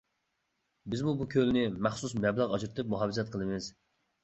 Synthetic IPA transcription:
bɪzmubukʲʰølnɪmæχsusmɛblˠæʁɑd͡ʒɾt̪ʰɨp̚muɦɑvɨzɛt̪̚qʰəlˠɨmɪz̥

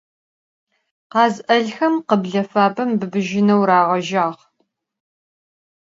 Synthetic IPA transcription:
qɑːzʔɐɮxɐmqəbɮɐfaːbɐmbɨbɨʒɪnɐwɾaːʁɐʒaːʁ

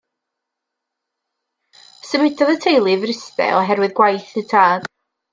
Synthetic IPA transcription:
səmɪdʰɔðətʰejlˠivrɪstɛ̰ɔɦɛrwɨðɡwajθətʰaːd̥

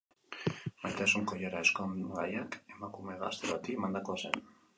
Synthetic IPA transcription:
bajt̪asuŋkojaɾaeskoŋɡajake̞makume̞ɣa̰st̪eβat̪imand̪ako̞asḛn

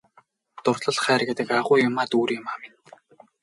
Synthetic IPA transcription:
t̪ʊrɮə̆ɮχæːrɡet̪ə̆kaʁʊːjʊmaːt̪uːɾiːʊmaːmɪn

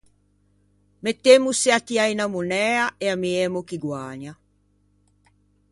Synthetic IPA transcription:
met̪ːemusːɛat̪iainamunɛːaɛamiɛmukiɡwaːɲa

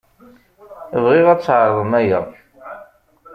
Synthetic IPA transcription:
əvʁiʁæt͡sːʕəɾˤðˤəmæjəðˤ

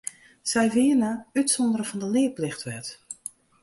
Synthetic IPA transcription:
sɛjʋɪːənəytsɔndəɾəv̥ɔndəlɪːplɪxtʋɛt

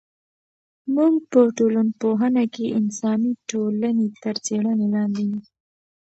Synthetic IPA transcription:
muɡpəʈolənpoɦənakeʔɪnsɑniʈolanet̪əɾt͡seɽənelɑnd̪iju

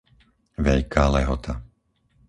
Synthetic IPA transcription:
ʋɛʎkʰaːlɛɦɔt̪ʰa

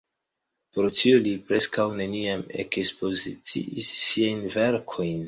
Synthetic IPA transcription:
poɾtʰiolipɾe̞skawne̞niame̞̰kspo̞zit͡sḭisːiajnve̞ɾkʰo̞jn

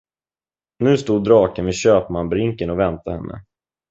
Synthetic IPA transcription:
nʉ̟ːst̪uːd̪ːɾɑːkənvɛɕøːpmanbɾɪŋkənɔvɛnt̪ahɛnːə̰

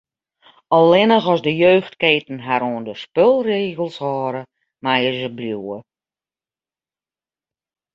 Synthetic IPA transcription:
ɔlˠɪnəxɔsdəjøːxtkeːtn̩ɦaɾoːndəspølˠreːɣəlˠshɔːɾə | majəzəbljuːə

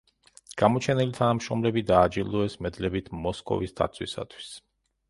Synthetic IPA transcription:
ɡ̥amɔt͡ʃʰɛnilit̪ʰanamʃɔmlɛbid̪aːd͡ʒilˠɔɛsmɛd̪lɛbit̪ʰmɔskʼɔ̰visd̪a̰t̪sʰwḭsa̰t̪ʰwi̥s

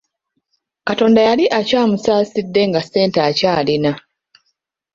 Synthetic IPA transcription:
kato̞ːndajaliʔacaːmusaːsidːe̞ŋɡase̞ːntaːcaːlina

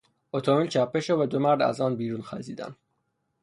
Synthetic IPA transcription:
ot̪ʰomilt͡ʃʰæpʰːeʃovæd̪omæɾd̪æ̰zɒːnbiːɾunxæ̰ziːd̪æ̰n

